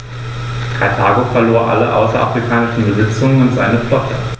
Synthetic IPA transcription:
atʰaːɡofɛɐloːɐʔa̰ləʔa̰ʊsɐʔa̰fʁ̥ikʰaːnɪʃn̩bəzɪt͡sʊŋənʊntz̥a̰ɪnəflɔtə

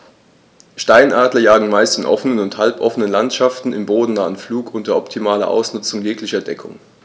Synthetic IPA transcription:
ʃtaɪnʔaːdlɐjaːɡŋ̩maɪstɪnʔɔ̰fənənʊnthalpʔɔfənənlantʃaftn̩ɪmboːdn̩naːənfluːkʔʊndɐɐʔɔptʰimaːlɐ̰ʔa̰ʊsnʊt͡sʊŋjɛːklɪçɐdɛkʰʊ̰ŋ

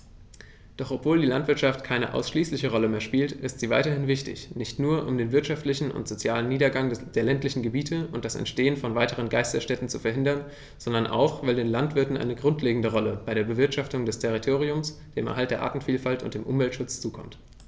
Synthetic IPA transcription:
d̥ɔχɔpv̥oːldiːlantv̥ɪɐtʃaftkʰaɪnə̰ʔa̰ʊsʃliːslɪçəʁɔləmeːɐʃpiːltʔɪstz̥iːva̰ɪtɐhɪnvɪçtɪ̰çnɪçtnuːɐʔʊmdeːnvɪɐtʃaftlɪçn̩ʊ̰ntz̥ot͡sjaːləniːdɐɡaŋd̥eːɐlɛntlɪçn̩ɡəbiːtʰəʊntd̥asɛ̰ntʃteːənfɔnvaɪtəʁ̞ənɡaɪstɐʃtɛtn̩t͡sufɛɐɦɪndɐn | z̥ɔndɐnʔa̰ʊxv̥aɪldeːnlantv̥ɪɐtn̩ʔa̰ɪnəɡʁʊntʰleːɡŋ̩dəʁ̞ɔləb̥aɪɾeːɐbəvɪɐtʃaftʊŋdɛstʰɛʁitʰoːʁ̞iʊmsd̥eːmʔɛɐɦalt̚d̥eːɐʔa̰ːtn̩fiːlfaltʊ̰nt̚d̥eːmʔʊmvɛltʃʊt͡st͡suːkʰɔ̰mt

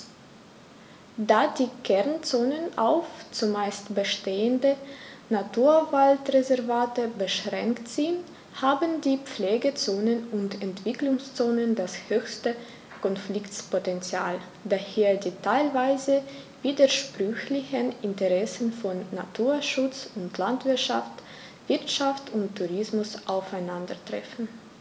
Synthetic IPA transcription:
daːdiːkʰɛɐnt͡soːnənʔa̰ʊft͡sumaɪstbəʃteːəndənatʰuːɐvaltʁezɛɐvaːtəbəʃʁɛŋktz̥ɪnt | haːbndiːp͡fleːɡət͡soːnənʊntɛntv̥ɪklʊŋst͡soːnəndashøːçstə | kɔnflɪktpɔtɛnt͡sja̰ːl | daheːɐdiːtʰaɪlvaɪzə | viːdəʃpʁ̥ʏçlɪçənɪntəʁɛsn̩fɔnːa̰tʰuːɐʃʊt͡sʊntlantv̥ɪɐtʃa̰ft | v̥ɪɐtʃaftʊntʰːuʁɪsmʊsʔaʊfaɪnandɐtʁ̥ɛ̰fn̩

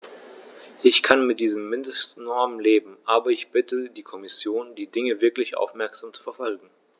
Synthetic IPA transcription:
ʔɪçkʰanmɪt̚d̥iːzəmːɪndəstnɔɐmənleːbm̩ʔaːbɐɪçb̥ɪtʰədiːkʰɔmɪsjoːndiːdɪŋəvɪɐklɪçʔa̰ʊfmɛɐkz̥aːmt͡su̥fɛɐfɔlɡŋ̩

